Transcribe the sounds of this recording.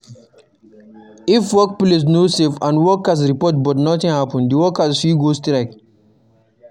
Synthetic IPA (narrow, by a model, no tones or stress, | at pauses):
ifwɔk̚ples̬nosefãnwɔkas̬ɾipɔt̚bɔtnɔtĩŋhapə̃ndiwɔkasfiɡostɾaɪk